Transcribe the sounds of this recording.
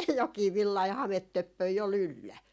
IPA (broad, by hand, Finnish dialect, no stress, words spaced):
jokˑiː ʋilːɑi hɑmetːøpːøi ol ylːæ